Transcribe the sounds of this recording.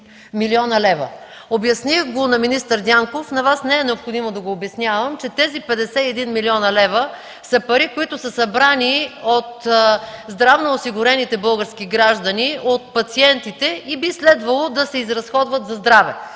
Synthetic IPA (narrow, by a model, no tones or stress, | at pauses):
miliɔnɐlɛvə̰ | objɐsnixɡonɐminist̪əɾd̪ʲaŋkofnɐvasnɛɛnɛopxod̪imod̪ɐɡoːbjɛsnʲjavɐmt͡ʃɛt̪ɛzipɛd̪ɛsɛɛd̪inmiliɔnɐlɛvə | sɐpɐɾikoit̪ʊsəsɐbɾaniot̪zd̪ɾavnoːsiɡʊɾɛnit̪ɛbɤlˠɡəɾskiɡɾaʒd̪ɐniot̪̚pɐt̪siɛnt̪it̪ɛibislɛd̪vɐlˠod̪ɐsɛizɾɐsxɔd̪vɐt̪zɐzd̪ɾavɛ̰